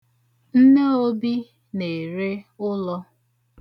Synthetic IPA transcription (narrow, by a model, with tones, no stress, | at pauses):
n̩˦ne˦o˦bi˦ | ne˨ɾe˦ʊ˦lɔ˦